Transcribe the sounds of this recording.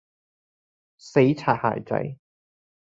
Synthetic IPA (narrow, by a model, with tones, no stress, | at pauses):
se˨˥jt͡sʰaː˨˩t̚ha̰ː˨˩jt͡sɐ̰˨˥j